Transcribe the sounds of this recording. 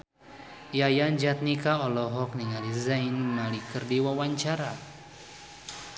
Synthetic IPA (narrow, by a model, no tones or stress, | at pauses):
jajand͡ʒat̪̚nikaɔlɔɦɔk̚niŋalizajnmalikɨrdiwawaɲt͡ʃaɾa